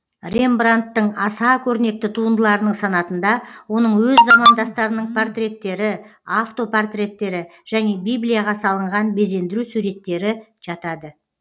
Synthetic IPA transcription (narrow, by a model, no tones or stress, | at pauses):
re̞mbrant̪ːəɴɑsɑkʲʰɵɾɪne̞k̚t̪ɪt̪ʰuənd̪əlˠɑɾənəɴsɑnɑt̪ənd̪ɑwo̞nəɴwɵzːɑmɑnd̪ɑst̪ɑɾənəɴpʰort̪rʲe̞t̪ːe̞ɾɪaft̪o̞pʰort̪rʲe̞t̪ːe̞ɾɪʒ̥æne̞bijblʲijaʁɑsɑlˠəɴʁɑnbe̞ze̞nd̪ɪɾusuɾe̞t̪ːe̞ɾɪʒ̥ɑt̪ɑd̪ə